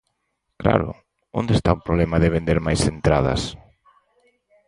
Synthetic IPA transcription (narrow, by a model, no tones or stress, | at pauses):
kla̰ɾʊ̰ | õ̰nd̪est̪aʊpɾoβlɛmɐðɪβ̞end̪eɾmajsent̪ɾað̞ɐ̰s